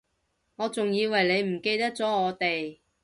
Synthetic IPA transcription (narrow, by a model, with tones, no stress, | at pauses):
ŋɔː˨˧t͡sʊ˨ŋjiː˨˧wɐ˨˩jle˨˧jm̩˨˩ke˧jt̪ɐ˥k̚t͡sɔː˨˥ŋɔː˨˧t̪e˨j